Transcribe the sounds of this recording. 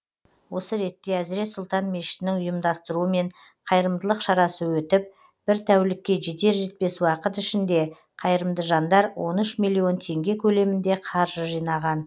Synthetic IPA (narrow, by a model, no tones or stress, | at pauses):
wo̞səɾe̞t̪ːe̞æzɪɾe̞t̪sʊlˠt̪ɑnmeʃɪ̥t̪ɪnɪŋʊjəmd̪ɑst̪əɾuəme̞ɴ | qʰɑjɾəmd̪əlˠəqʃɑɾɑsəwɵt̪ɪp̚ | b̥ɪɾt̪ʰæwlɪkʲːe̞ʒet̪e̞ɾʒe̞t̪̚pe̞swɑqət̪ɪʃɪnd̪e̞ | qʰɑjɾəmd̪əʒɑnd̪ɑɾwo̞nʏʃmilʲˠːio̞nt̪ʰe̞ŋɡʲe̞kʲʰɵle̞mɪnd̪e̞qʰɑɾʒəʒijnɑʁɑn